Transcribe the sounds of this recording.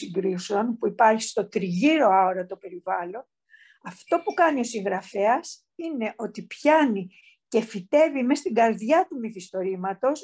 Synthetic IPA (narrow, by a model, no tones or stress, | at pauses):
iŋɡɾiseo̞npuipɐɾçi̥st̪o̞t̪ɾiʝiɾo̞ɐoɾɐt̪o̞pe̞ɾivɐlo̞n | ɐft̪o̞pukɐnio̞siŋɣɾɐfe̞ɐs | ine̞ʔo̞t̪ipçɐni | ce̞fit̪e̞vime̞st̪iɡɐɾðʝɐt̪umiθist̪o̞ɾimɐt̪o̞s